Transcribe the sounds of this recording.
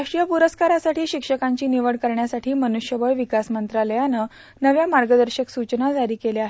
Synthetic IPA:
aʂʈɾijəpuɾəskaɾasaʈʰiːɕikʂəkaɲt͡ɕiːniʋəɽkəɾɳjasaʈʰiːmənuɕjəʋəɭʋikasmənt̪ɾaləjanə | nəʋjamaɾɡəd̪əɾɕəksut͡ɕnad͡zaɾiːkeleaɦe

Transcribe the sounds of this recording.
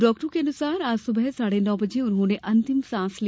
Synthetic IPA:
ɖɔːk̚ʈõkeɐnʊsaːɾaːd͡ʒsʊbɛsaːɽenɔːbɐd͡ʒeʊnɦõːneʔɐ̃nt̪ɪmsãːsl

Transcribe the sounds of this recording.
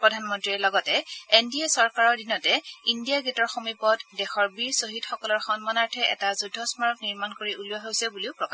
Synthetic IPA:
pɹɔdʱanmɔntɹiɹlɔɡɔtɛendiɛsɔɹkaɹɔɹdinɔtɛindijaɡɛtɔɹxomipɔtdɛxɔɹbiɹsoɦitxɔkɔlɔɹxɔnmɔnaɹtʰɛʔɛ̰tazudʱːɔsmaɹɔkniɹmankoɹiʔuluaɦojsɛbuliʊpɹɔka

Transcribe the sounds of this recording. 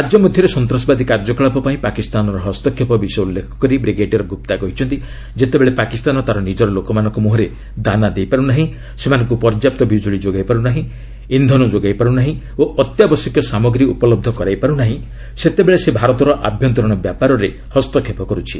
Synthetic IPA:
ɾad͡ʒjɔmud̪ʱjɔɾesɔnt̪ɾɔsbad̪ikaɾd͡ʒɔkɔɭapɔpaĩpakist̪anɔɾɔɦɔst̪ɔkʰːepɔbisɔjulːekʰɔ̥kɔɾibɾiɡeʈiɾɔɡʱup̚t̪akɔɦit͡ʃʰɔnt̪i | d͡ʒet̪ebeɭepakist̪anɔt̪aɾɔnid͡ʒɔɾɔlokɔmanɔ̃ŋkumuɦɔɾe | d̪anad̪ejpaɾunaɦĩ | semanɔ̃ŋk̬upɔɾd͡ʒjap̚t̪ɔbid͡ʒuɭid͡ʒoɡajpaɾunaɦĩ | ind̪ʱɔnud͡ʒoɡajpaɾunaɦĩ | oʔɔt̪jabɔsɔkjɔsamɔɡɾiupɔlɔb̚d̪ʱɔkɔɾajpaɾunaɦĩ | set̪ebeɭesebʱaɾɔt̪ɔɾɔʔabʱjɔnt̪ɔɾɔɽ̃ɔbjapaɾɔɾe | hɔst̪ɔkʰːepɔkɔɾut͡ʃʰi̥

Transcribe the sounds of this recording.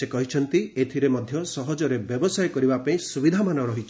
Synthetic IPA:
sekɔɦit͡ʃʰɔnt̪iet̪ʰiɾemɔd̪ʱjɔsɔɦɔd͡ʒɔɾebjɔbɔsajkɔɾibapaĩsubid̪ʱamanɔɾɔɦit͡ʃʰi̥

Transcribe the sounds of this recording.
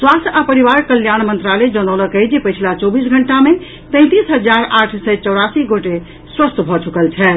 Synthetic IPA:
swast̪ʰapəɾiβaɾkəljañmənt̪ɾaled͡ʒənələkəjd͡ʒepəjt͡ʃʰlat͡ʃɔbis̬ɡʱəɳʈame | t̪ə̃ɪ̃t̪isɦəd͡ʒaɾaʈʰsət͡ʃɔʊɽasiɡoʈe | swəst̪bʱɔt͡ʃukəlt͡ʃʰɛ

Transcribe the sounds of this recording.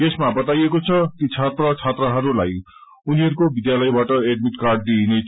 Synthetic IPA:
ɡesmabʌt̪ajekot͡sʰʌkit͡sʰat̪rʌt͡sʰat̪rʌɦʌɾulaj | uniɦʌɾukobid̪jalʌjbaʈʌeɖmiʈkarɖ̚d̪iɦne

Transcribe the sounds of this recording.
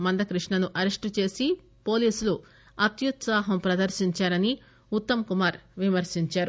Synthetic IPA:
mɐnd̪ɐkɾiʂɳɐnuʔɐɾɐʂʈt͡ʃe̞ːsi | po̞ːliːsulu | ɐt̪jut̪saːɦɐmpɾɐd̪ɐɾʃiɲt͡ʃaːɾɐni | ut̪ːɐmkumaːɾʋimɐɾʃiɲt͡ʃaːɾu

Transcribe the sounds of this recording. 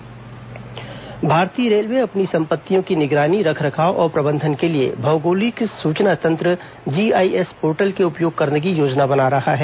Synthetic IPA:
bʱaːɾt̪iəɾeːlmeɐpnisɐ̃mpət̪ːijõkinɪɡɾaːniɾɐkʰɾɐkʰaːoʔɔːɾpɾɐbə̃nd̪ʱənkeliḛbʱɐːɡoːliksuːt͡ʃnat̪ɐ̃nt̪ɾə | d͡ʒiːaːiʔespoːɾʈəlkeʊpjoːɡ̚kɐɾnek̬ijoːd͡ʒnabɐnaɾɐhaɦɛː

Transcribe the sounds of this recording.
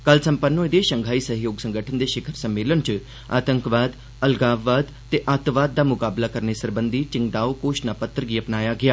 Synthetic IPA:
kəlsə̃mpənːõɪd̪eːʃəŋɡʱaːiːsəɦjoːɡsə̃ŋɡəʈʰənd̪eːʃɪkʰəɾsəmːeːlənt͡ʃ | a̰ːt̪əŋkʋaːd̪ | əlɡaːʋʋaːd̪ | t̪eːʔaːt̪ʋaːd̪̚ːaːmʊkaːblaːkəɾnesəɾbə̃nd̪iːt͡ʃɪŋɡd̪aːokoːʃnapət̪ɾəɡiəpnaːjaɡɪjaː

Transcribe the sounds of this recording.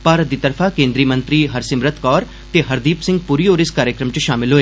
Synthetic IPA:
paːɾət̪d̪iːt̪ɐɾfʰakẽːnd̪ɾiːmə̃nt̪ɾiːɦɐɾsɪmɾət̪ʰkɔːɾ | t̪eɦɐɾd̪iːpsɪ̃ŋɡ̚puːɾiːoːɾɪskaːɾjəkɾəmt͡ʃʃaːmɪlɦoːeː

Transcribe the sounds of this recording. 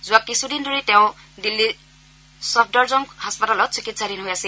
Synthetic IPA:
zuwakisud̪indʱɔɾit̪jãw̃ | d̪ilːi | sɔp̚ʰdʌɾd͡zɔŋɡhaspatalɔt͡sikit̪sʰadinɦujasi

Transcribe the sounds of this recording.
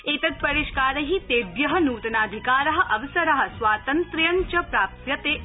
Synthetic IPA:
eːt̪ɐt̪̚pɐɾiʃkaːɾɐɦit̪eːbjɐɦɐnuːt̪ɐnaːd̪ʱikaːɾɐɦɐ̆ʔɐʋɐsɐɾɐɦɐ̆swaːt̪ɐnt̪ɾjɐɲt͡ʃɐpɾaːp̚t̪jɐt̪eː

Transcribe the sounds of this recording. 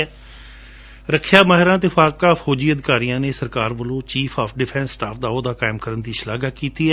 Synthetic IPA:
ɾəkʰjaːmaːɦɪɾãːt̪̬ɪfʰaːkaːpʰoːd͡ʒiːəd̪ɪkaːɾijãːneːsəɾkaːɾʋəlõːt͡ʃiːpʰaːpʰɖɪpʰɛ̃ːnsːʈaːpʰd̪aːoːd̪aːkaːɪmkəɾənd̪iːʃlaːɡaːkiːt̪iːɛː

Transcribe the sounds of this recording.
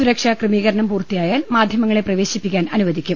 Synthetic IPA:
suɾɐkʂakrɨmiːɣɐɾɐɳɐmpuːrt̪ijaːjaːlmaːd̪ʱjɐmɐŋːɐɭe̞prɐʋe̞ːɕipːikʲːaːnɐnuʋɐðikʲːum

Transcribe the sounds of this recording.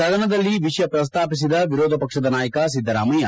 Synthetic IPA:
ɐd̪ʱɐnɐd̪ɐlːiʋiʃjɐpɾɐs̬t̪aːpis̬id̪ɐʋiɾoːd̪ʱɐpɐkʂɐd̪ɐnaːjɐkɐs̬id̪ʱːɐɾaːmɐjɐ

